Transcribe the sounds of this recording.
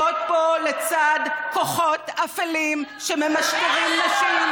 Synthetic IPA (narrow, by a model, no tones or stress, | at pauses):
ot̪̚bo̞let͡sad̪ko̞χo̞t̪afelimʃememaʃkiʁimleʃi